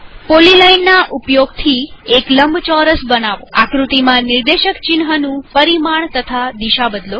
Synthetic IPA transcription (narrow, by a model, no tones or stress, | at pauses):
polilainːaʔupjoɡt̪ʰiekləmbt͡ʃɔɾəsbənaʋo̰akɾut̪imãnɪɾd̪eʃəkt͡ʃɪnɦənũpəɾimaɳt̪ət̪ʰad̪iʃabəd̪lo